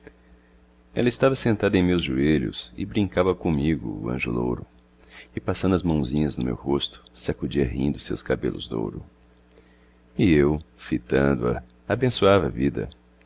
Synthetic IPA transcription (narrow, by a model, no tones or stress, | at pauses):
ɛ̰lɐɪst̪avɐsẽnt̪ad̪ɐẽj̃mewzʒueʎʊsɪbɾĩŋkavɐkõmiɡʊ̰ːɐ̰̃ʒʊ̰lo̰wɾʊ | ɪpasɐ̃nd̪ʊɐzmɐ̃w̃zĩɲɐznʊmḛwɦost̪ʊ̥sakud͡ʒiɐɦḭ̃nd̪ʊsewskabḛlʔʊzd̪o̰wɾʊ̰ | ɪewfit̪ɐ̃nd̪ʊɐ̰ | abẽsuavɐvid̪ɐ̰